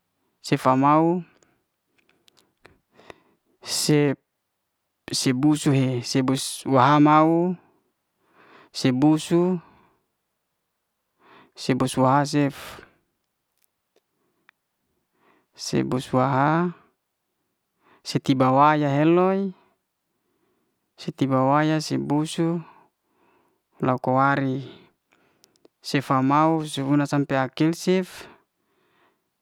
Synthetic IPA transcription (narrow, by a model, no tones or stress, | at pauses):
sefamau | se | sebusuɦesebuswaɦamau | sebusu | sebusuwaɦas̬ef | sḛbusuaɦa | set̪ibawajaɦelɔi | set̪ibawajasebusu | laukowaɾi | sɛfamauseunasampeakilsɛf